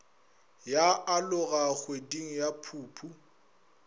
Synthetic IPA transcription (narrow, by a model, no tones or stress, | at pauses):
jaʔalʊɣaɣwediŋ̩japʰuːpʰu